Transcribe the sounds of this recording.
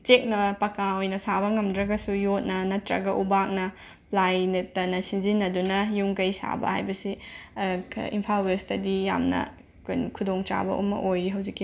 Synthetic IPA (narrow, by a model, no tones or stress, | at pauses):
t͡ʃek̚nɐpɐkãojnɐsabɐŋɐmdɾɐɡɐsujot̚nɐnɐtɾɐ̰ɡɐʔubak̚nɐ | plajnetːɐnɐsinzinːɐdunɐjuŋkɐjsa̰bɐ̰hajbɐsi | ḭmpʰalwestɐdija̰mnɐ̰ | kojnkʰudoŋt͡ʃa̰bɐ̰ʔṵmːɐ̰ʔojɾiɦɐwzikːi